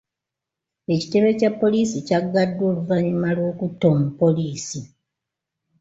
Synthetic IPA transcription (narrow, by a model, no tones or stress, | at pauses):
e̞ci̥te̞βe̞capːo̞liːsicaɡːadːo̞ːluvaɲimalwo̞ːkutːo̞mupːo̞liːsi